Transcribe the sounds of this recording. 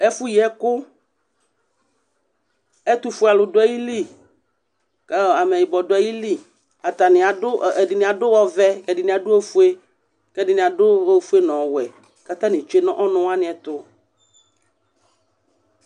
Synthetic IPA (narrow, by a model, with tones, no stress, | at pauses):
ɛ˦fu˦ji˨˦ɛ˦kʊ˦ | ɛ˦t̪u˨fu˦a˨lʊ˨dʊ˦ɛ˦ji˦li˦ | kɛ˦˨a˨mɛ˨ji˨bɔ˨dʊ˨˦ɛ˦ji˦li˦˨ | a˨t̪a˨nɪ̃˨a˨dʊ˦˨dɪ˨nɪ̃˨a˨dʊ˦wɔ˦vɛ˦kɛ˨dɪ˨nɪ̃˨a˨dʊ˦o˦fu˦e˦ | kɛ˦dɪ˨nɪ̃˨a˨dʊ˦o˦fu˦e˦nɔ̃˨wɛ˨ | ka˦t̪ã˦nɪ̃˨t͡ʃe˦nɔ̃˦ʔɔ˦nʊ̃˦wa˦nɪ̃˨˦ɛ˨t̪ʊ˦